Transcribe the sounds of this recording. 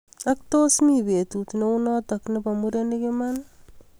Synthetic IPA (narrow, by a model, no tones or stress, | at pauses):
ak̚tosmibetutneunɔtaknɪpamuɾenɪkɪman